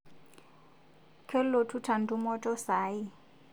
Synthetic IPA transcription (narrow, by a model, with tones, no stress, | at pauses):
kʰɛ˦llo˨tʰu˦tʰa˨n̩˨du˦mɔ˦tʼɔ˦saː˨˦ɪ˦